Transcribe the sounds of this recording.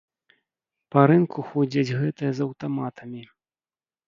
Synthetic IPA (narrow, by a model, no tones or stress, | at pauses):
pɐɾɨnkʰuxɔd͡zʲɐt͡sʲɣɛt̪ɨjɐzɐwt̪amat̪ʰɐmʲi